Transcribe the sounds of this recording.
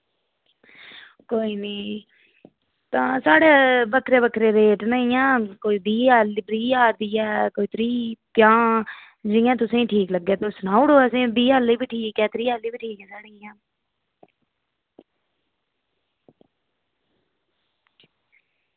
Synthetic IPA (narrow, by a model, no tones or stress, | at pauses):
koːiːniː | t̪ãːsaːɽeːbəkʰɾeːbəkʰɾeːɾeːʈnəĩãːkoːiːd̪iːaːlbɾiːaːd̪iːɛːkoːiːt̪ɾiːt̪jãː | d͡ʒɪjãːt̪ʊsẽːĩːʈʰiːkləɡːeːt̪oːsənaːuɽoːəsẽːb̪iːaːliːbiːʈʰiːkɛːt̪ɾiːaːliːbiːʈʰiːkɛːsaːɽiːjãː